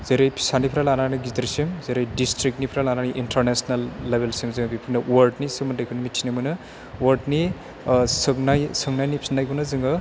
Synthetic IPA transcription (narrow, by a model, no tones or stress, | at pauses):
zeɾejpʰi̥sanipʰɾalananiɡitɾisimzeɾejdistɾik̚nipʰiɾalananiʔintʰəɾnesnalːebʱelsimzɯɡbipʰinɯwɔɾʈnisɯmɯndajkʰunimitʰinamujnɯ | wɔɾʈni | sɯknajsɯŋnajnipʰi̥snajkʰunɯzɯŋɯ